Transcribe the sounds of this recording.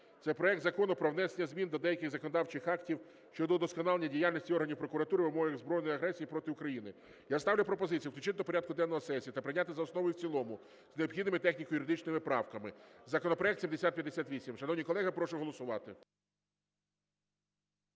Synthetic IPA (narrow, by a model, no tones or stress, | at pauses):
t̪sɛpɾɔɛk̚t̪zɐkɔnʊpɾɔʋnɛsenʲːɐzʲmʲind̪ɔd̪ɛjɐkɪɣzɐkɔnɔd̪ɑwt͡ʃɪxɑktʲiw | ʃt͡ʃɔd̪ɔd̪ɔskɔnɑlˠenʲːɐdʲijalʲnʲisʲtʲiɔrɦɐnʲiwpɾɔkʊɾɐt̪uɾɪʋɪmɔɦɐɣzbɾɔjnɔjɐɦɾɛsʲijipɾɔt̪ɪʊkɾɐjinɪ | jast̪ɑʋwlʲʊpɾɔpɔzɪt͡sʲijuwt̪ʲʊt͡ʃʲɪt̪ːɔpɔɾʲad̪̚kʊd̪ɛnːɔɦɔsɛsʲiɐt̪ɐpɾɪnʲat̪ɪzɐɔsnɔʋɔjʊwt͡sʲilˠɔmʊ | zneɔbxʲid̪nɪmɪt̪ɛxnʲikɔjʊɾɪd̪ɪt͡ʃnɪmɪpɾɑwkɐmɪzɐkɔnɔpɾɔɛkt̪sʲimd̪esʲat̪̚pʲjɐd̪ːesʲat̪ʋʲisʲimʃɐnɔwnʲijkɔlˠɛɦɪpɾɔʃʊɦɔlˠɔsʊʋɑt̪ɪ